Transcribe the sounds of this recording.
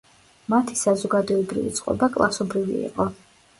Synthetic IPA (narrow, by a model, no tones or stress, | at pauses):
mat̪ʰi̥sazɔɡad̪ɔɛbɾḭvḭt̪sʼqʼɔ̰bakʼlˠasɔbɾivḭḭqʼɔ